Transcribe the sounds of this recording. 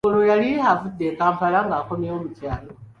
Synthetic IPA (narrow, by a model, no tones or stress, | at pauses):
olojalihavudekaːmpalaŋɡakomjeomucaːlo